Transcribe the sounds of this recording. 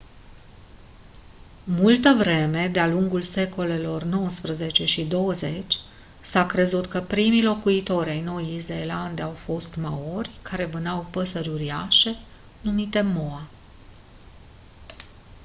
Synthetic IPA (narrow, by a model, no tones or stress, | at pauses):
mult̪əvɾe̞me̞d̪ealuŋɡulse̞ko̞le̞lo̞rno̞wəspɾəzet͡ʃe̞ʃid̪o̞wəze̞t͡ʃʲ | sakɾe̞zut̪kəpɾimijlo̞kuit̪o̞ɾʲajno̞jizeeland̪awfo̞st̪mao̞rʲkʰaɾe̞vɨnawpəsəɾʲuɾiaʃe̞ | numit̪e̞mo̞a